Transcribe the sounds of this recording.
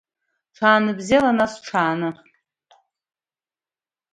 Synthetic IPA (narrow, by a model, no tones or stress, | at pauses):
ʈ͡ʂʰaːnɨbzalanasʈ͡ʂʰaːnɨ